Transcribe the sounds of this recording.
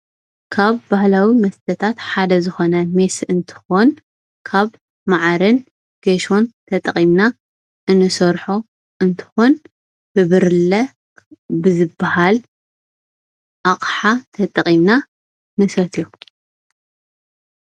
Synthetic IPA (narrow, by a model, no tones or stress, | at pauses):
kʰaβbahlawimɐst̪ʰɐt̪ʰat̪ħad̪ɐzɨxo̞nɐmesɨnt̪ʰɨ̥xon | kʰaβ | maʕaɾɨn | ɡ̥ɐʃo̞nt̪ʰɐt̪ʼɐχʼimna | ʔɨnɨsɐɾħo | ʔɨnt̪ʰɨ̥xun | b̥ɨβɨɾlɐ | bɨzɨbːahal | ʔaχʼħat̪ʰɐt̪ʼɐχʼimna | nɨsɐt̪ʰjo